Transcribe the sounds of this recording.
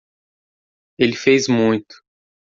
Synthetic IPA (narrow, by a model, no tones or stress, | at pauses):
elɪfejzmũj̃t̪ʊ̥